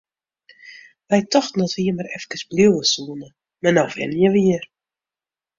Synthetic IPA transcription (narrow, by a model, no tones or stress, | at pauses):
ʋɛjtɔxtnɔtʋiəmaɾɛfkəsbliwəsuːnə | manawvɛ̰nəjəʋiər